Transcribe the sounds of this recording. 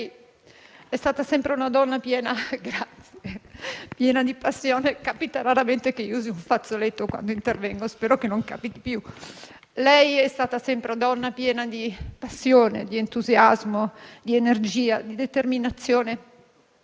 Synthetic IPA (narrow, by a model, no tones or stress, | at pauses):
j | ɛst̪aːt̪asɛmpɾeunad̪ɔnːapjɛːnaɡɾat̪sjepjɛːnad̪ipasːjoːnekapit̪aɾaɾament̪ekeiuːziuɱfat̪solet̪ːokwa̰nd̪oint̪ervɛŋɡospɛːɾokenːoŋka̰ːpit̪i̥pju | lɛjɛst̪aːt̪asɛmpɾed̪ɔnːapjɛːnad̪ipasːjoːnḛd̪ient̪uzjazmod̪ienerd͡ʒiːad̪id̪et̪erminat̪sːjoːne